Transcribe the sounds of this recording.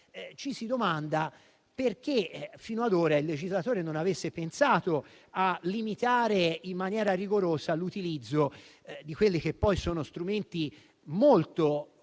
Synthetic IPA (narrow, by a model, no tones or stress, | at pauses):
t͡ʃisid̪omand̪a | perk̟efiːnoad̪oːɾailːed͡ʒizlat̪oːɾenonavesːepensaːt̪o | alːimit̪aːɾeimːanjɛːɾariɡoɾoːsalut̪ilid̪zːo | d̪ikwelːik̟epːɔjsoːnost̪ɾument̪i | molt̪o